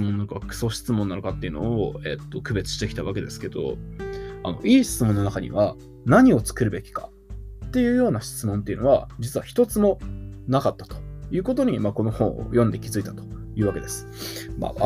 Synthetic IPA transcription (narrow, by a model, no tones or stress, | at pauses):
mõnːaɾokakɯ̟̥so̞ːɕi̥t͡sɨmõ̞nːaɾokat̪ːeiɯ̟no̞̰ːḛt̪ːo̞kɯ̟be̞t͡sɨ̥ɕit̪e̞kʲit̪aβake̞d̪e̞sɨ̥ke̞d̪o̞̰ | a̰no̞̰ʔiːɕi̥t͡sɨmõnːo̞nakaɲ̟ḭβa | naɲ̟io̞t͡sɨ̥kɯ̟ɾɯ̟be̞kʲi̥ka̰ | t̪ːe̞jɯ̟ːjo̞ːnaɕi̥t͡sɨmõ̞nt̪e̞iɯ̟no̞βa̰d͡ʑit͡sɨβaçi̥t̪o̞t͡sɨmo̞nakat̪ːḁt̪o̥jɯ̟ːkot̪o̞ɲ̟imaːko̞no̞hõ̞̰o̰jõ̞nd̪e̞kʲizɨit̪at̪o̞̥jɯ̟ːβake̞d̪e̞sɨ̥ma̰a